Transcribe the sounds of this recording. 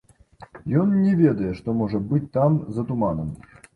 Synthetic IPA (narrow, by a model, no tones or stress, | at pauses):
jɔnnʲɛvʲɛd̪ɐjɛʂt̪ɔmɔʐɐbɨt͡sʲt̪amzɐt̪umanɐm